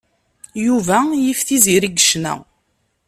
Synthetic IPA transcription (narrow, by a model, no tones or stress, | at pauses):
juvæjifθiziɾiɡəʃnæ̰